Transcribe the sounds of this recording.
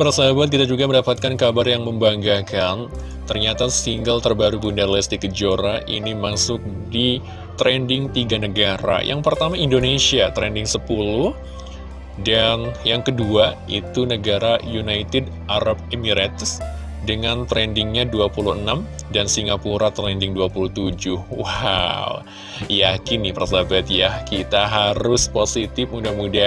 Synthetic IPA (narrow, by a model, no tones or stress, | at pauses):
pərsaɦabat̪kit̪ad͡ʒuɡaməndapat̪̚kankabarjaŋməmbaŋɡakan | t̪ərɲat̪asiŋɡəlt̪ərbaɾubundarlɛst̪ikəd͡ʒoɾaʔḭnimasʊk̚di | t̪ɾɛndɪŋt̪iɡanəɡaɾa̰jʔa̰ŋpərt̪amaindonesiat̪ɾɛndɪŋsəpulʊh | danjaŋkəduait̪unəɡaɾajunait̪ɛd | ʔaɾab̚emiɾat̪s | dəŋant̪ɾɛndɪŋɲaduapuluənamdansiŋɡapuɾat̪ɾɛndɪŋduapuluht̪ud͡ʒʊhwaw | jakinːɪpərsabat̪jahkit̪aɦaɾʊsposit̪ɪpudamuda